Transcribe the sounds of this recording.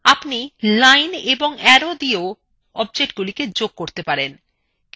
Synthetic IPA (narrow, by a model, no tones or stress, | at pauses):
apnilajneboŋɛɾod̪io | ɔb̚d͡ʑeʈɡuliked͡ʑoɡ̚koɾt̪epaɾen